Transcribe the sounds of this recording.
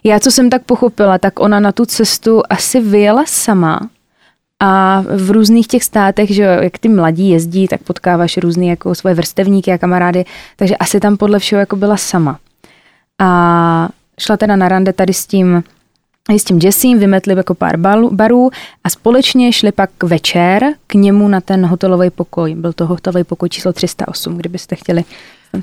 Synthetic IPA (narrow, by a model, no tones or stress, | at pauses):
jaːt͡so̞sɛmt̪ak̚poxo̞pɪlat̪akʔo̞nanat̪ut͡sɛst̪uʔasɪvɪjɛlasama̰ | ʔavɾuːzniːxcɛxst̪aːt̪ɛɣʒɛojʔakt̪ɪmlaɟiːjɛzɟiːt̪ak̚po̞t̪kaːvaʃɾuːzniːjakosvo̞jɛvr̩st̪ɛvɲiːkɪakamaɾaːdɪt̪aɡʒɛʔasɪt̪ampodlɛfʃɛɦojako̞bɪlasama | ʔa | ʃlat̪ɛdanaɾandɛt̪adɪsciːm | ɪsciːmd͡ʒɛsiːmvɪmɛt̪lɪjako̞pa̰ːɾbaɾuːʔaspo̞lɛt͡ʃɲɛʃlɪpakvɛt͡ʃɛɾkɲɛmunat̪ɛnɦot̪ɛlo̞vɛjpo̞ko̞jbɪlt̪oɦot̪ɛlovɛjpo̞kojt͡ʃʰiːslot̪r̝̥ɪst̪a̰ʔo̞sumɡdɪbɪst̪ɛxcɛlɪ